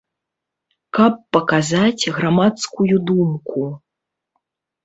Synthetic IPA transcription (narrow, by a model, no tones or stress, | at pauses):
kɐpːɐkazat͡sʲɣɾamat̪skujud̪umku